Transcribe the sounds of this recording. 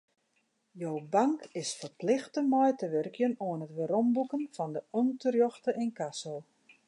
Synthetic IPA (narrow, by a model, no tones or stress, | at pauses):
jowbaŋkɪsfərplɪxtəmɔjtəʋørkjənoənətʋəɾɔmbukənfɔndəɔntərjɔxtəʔɪnkasəlˠ